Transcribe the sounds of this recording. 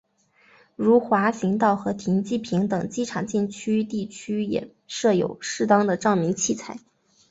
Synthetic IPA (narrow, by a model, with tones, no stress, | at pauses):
ɻu˧˥xwa˧˥ɕi˧˥ŋt̪ɑ˥˩ʊxɤ˧˥t̪ʰi˧˥nt͡ɕi˥˩pʰi˧˥ŋt̪ɤ˨˩ŋt͡ɕi˥ʈ͡ʂʰɑ˨˩ŋt͡ɕi˥˩nt͡ɕʰy˥t̪i˥˩t͡ɕʰy˥jɛ̰˨˩ | ʂɤ˥˩jo̰˨˩ʊʂɻ̩˥˩t̪ɑ˥ŋd̪ə˨ʈ͡ʂɑ˥˩ʊmi˧˥ŋt͡ɕʰi˥˩t͡sʰa˥˩ɪ